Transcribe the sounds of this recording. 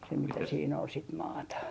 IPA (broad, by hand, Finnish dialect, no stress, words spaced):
se mitæ siːn ol sit mɑːtɑ